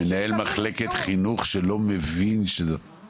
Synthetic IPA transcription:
enae̞lmaχleket̪χinuχʃelo̞mevinʃez

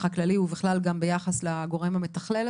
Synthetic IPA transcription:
χaklaliubiχlalɡambe̞jaχaslaɡo̞ʁemhame̞t̪aχlel

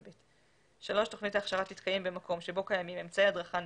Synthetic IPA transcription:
bit | ʃalo̞ʃto̞χnitaːχʃaʁat̪it̪kajembemako̞mʃe̞bo̞kajamimemt͡saead̪ʁaχan

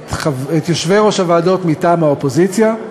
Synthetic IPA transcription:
avet̪joʃveʁoʃavaːdo̞t̪mitaːmhaopo̞zit͡sja

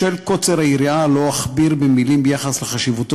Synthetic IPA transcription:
elko̞t͡seʁaiɾialo̞aχbiʁbemilimbejaχasleχaʃivut̪

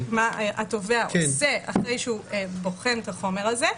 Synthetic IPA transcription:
maʔato̞veaksea̰χʁejʃeubo̞χent̪aχo̞me̞ʁaze

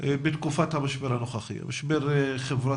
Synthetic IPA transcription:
bet̪kufat̪hamaʃbeɾhanoχaχḭa̰maʃbeɾχevɾa

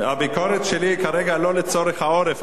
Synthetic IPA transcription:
habikoɾet̪ʃelikaɾeɡalolet͡soɾeχhaoɾef

